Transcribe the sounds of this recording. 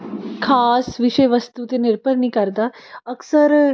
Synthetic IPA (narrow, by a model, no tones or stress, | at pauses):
kʰasʋiɕəjʋəst̪ut̪eniɾpəɾniːkəɾt̪aəksəɾ